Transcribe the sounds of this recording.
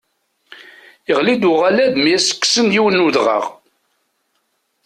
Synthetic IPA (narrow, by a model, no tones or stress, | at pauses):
əʁlid̪ʊʁalæðmiæsə̥kːsənjiwənːuðʁə̰ʁ